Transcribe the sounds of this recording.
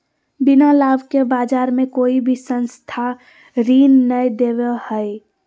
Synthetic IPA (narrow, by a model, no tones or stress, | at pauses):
bɪnalaːbkebaːd͡ʒaːɾmẽkoːibʱisə̃nst̪ʰa | ɾiːnːəjd̪eʋehɛe